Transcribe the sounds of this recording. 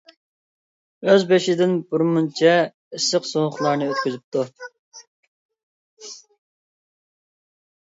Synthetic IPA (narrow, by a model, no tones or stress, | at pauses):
øzbeʃɪd̪ɪnbuɾmunt͡ʃʰɛ | isəqsoŋʊχlˠɑɾnɨøt̪̚kʲyzyp̚t̪ʰu